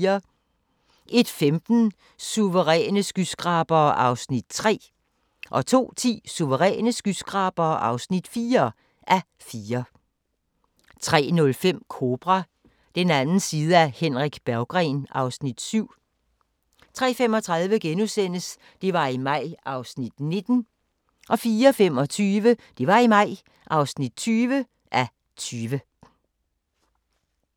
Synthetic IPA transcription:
ɐ | ʔe̝d̥femd̥n̩ | suʋəʁɛ̰ːnəsɡ̥ysɡ̥ʁɑ̈ːb̥ɐːʔɑ̈ʊsnid̥t͡sʰʁɛ̰ː | ʔɒ̽t͡sʰo̝̰ːt͡sʰḭːsuʋəʁɛ̰ːnəsɡ̥ysɡ̥ʁɑ̈ːb̥ɐːʔɑ̈ʊsnid̥fiːɐ | ʔæ | fiːɐ | t͡sʰʁɛ̰ːnɔ̽lfem̰kʰo̝ːb̥ʁɑ | d̥enænn̩siːð̞ˠəæhenʁiɡ̥b̥æɐʊɡ̥ʁɛnɑ̈ʊsnid̥syʊ̰ | t͡sʰʁɛ̰ːfem̰ɒ̽t͡sʰʁɑ̈ðˠʋəɡ̥enusen̰əs | d̥e̝ʋɑ̈imɑ̈ɪ̰ʔɑ̈ʊsnid̥ne̝d̥n̩ | ʔɒ̽fiːɐfem̰ɒ̽t͡sʰyːʋəd̥e̝ʋɑ̈imɑ̈ɪ̰ | ʔɑ̈ʊsnid̥̚t͡sʰyːʋə | ʔæ | t͡sʰyːʋə

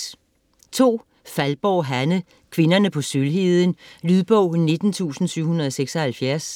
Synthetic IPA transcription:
t͡sʰo̝̰ː | fælb̥ɒʊ̰ɦænə | kʰʋe̝nɐnəpʰɒ̽sylɦeðˠənlyðˠb̥ɔʊ̰ne̝d̥n̩t͡sʰṵːsn̩syʊ̰hunɐð̞̩ˠɒ̽seɡ̥sɐhælfjæɐs

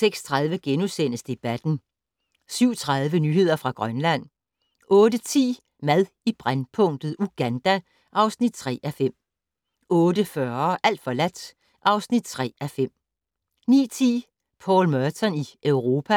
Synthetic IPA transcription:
seɡ̥st͡sʰʁaðˠʋəɡ̥enusen̰əsd̥e̝b̥æd̥n̩ | syʊ̰t͡sʰʁað̞ˠʋənyːhe̝ð̰ˠɐfʁɑ̈ɡ̥ʁɶnlæn̰ | ʔɔ̽ːdət͡sʰḭː | mæðˠib̥ʁanpʰɔ̽ŋ̰d̥ð̩ˠuɡ̥ænd̥æ | ʔɑ̈ʊsnid̥̚t͡sʰʁɛ̰ːʔæfem̰ | ɔ̽ːdəfɶːɐʔæl̰d̥fɒ̽læd̥ | ʔɑ̈ʊsnid̥̚t͡sʰʁɛ̰ːæfem̰ | nḭːt͡sʰḭː | pʰɒ̰ːlmɶɐt͡sʰɒniʔøʊʁo̝ːpʰæ

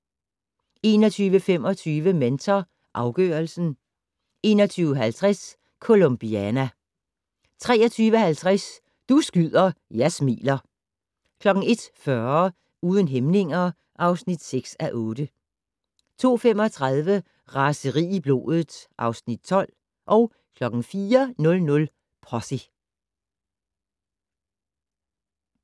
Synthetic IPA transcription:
e̝ːnɒt͡sʰyːʋəfem̰ɒ̽t͡sʰyːʋəment͡sʰɐ | ʔɑ̈ʊɡ̥œ̰ːɐlsn̩ | e̝̰ːnɒ̽t͡sʰyːʊəɦælt͡sʰʁas | kʰo̝lomb̥iænæ | t͡sʰʁɛːɒt͡sʰyːʋəhælt͡sʰʁas | d̥usɡ̥yð̰ˠɐjæsmḭːlɐ | kʰlɒ̽ɡ̥ŋ̩e̝d̥fɶɐ | uːð̞ˠənɦemne̝ŋɐ | ʔɑ̈ʊsnid̥seɡ̥sæʔɔːd̥ə | t͡sʰo̝̰ːfem̰ɒ̽t͡sʰʁɑðˠʋə | ʁɑsəʁḭːib̥lo̝̰ːðˠð̩ˠʔɑ̈ʊsnid̥̚t͡sʰɒ̽l̰ | ʔɒ̽ʊ | kʰlɒ̽ɡ̥ŋ̩fiːɐnɔ̽lnɔ̽l | pʰʁɒsi

